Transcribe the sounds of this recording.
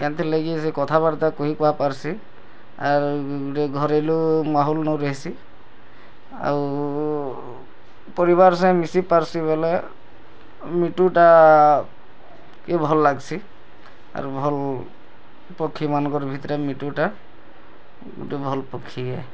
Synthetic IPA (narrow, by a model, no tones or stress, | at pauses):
kant̪ʰelaɡisekɔt̪ʰaβaɾt̪akoɦikuapaɹsi | aɹɾeɡʱɔɾelumaɦɔlnɔɾeɦisi | a̰ɹu | pɔɹiβaɹsãj̃misipaɹsibɔle | miʈuʈa | kebʱɔlːaɡsi | a̰ɹubʱɔl | pɔkʰimanɔɡɔɹbʱit̪ɔɾɛmiʈuʈa | ɡṵtubʱɔlpɔkʰːiɛ